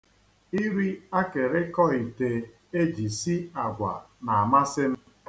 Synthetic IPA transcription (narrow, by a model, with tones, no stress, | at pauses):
i˦ɾi˦a˦ke˨ɾe˦kɔ˦i˨te˨ | e˦d͡ʒi˨si˦a˨ɡʷa̰˨ | na˨a˨ma˦sɪ˦m̩˦